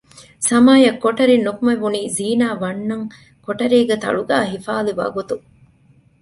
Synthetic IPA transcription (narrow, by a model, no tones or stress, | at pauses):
sɐmaːjɐkːoʈɐɾinːukumɐʋuniːziːnaːʋɐnːɐŋ | koʈɐɾiːɡet̪ɐ̰ɭuɡa̰ːɦifaːliʋɐ̰ɡut̪u